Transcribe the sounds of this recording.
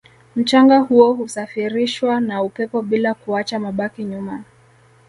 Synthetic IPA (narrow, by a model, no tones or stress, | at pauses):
m̩t͡ʃaŋɡahuɔhusafiɾiʃwanaupɛpɔɓilakuat͡ʃamaɓakiɲuma